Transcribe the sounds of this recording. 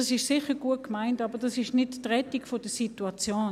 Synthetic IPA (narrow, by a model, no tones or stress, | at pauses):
ɑsɪʃsɪχəɡ̥uət̚kmaɪntɑːbəd̥ɑsɪʃnɪttʁɛtikfod̥əsituat͡sjoːn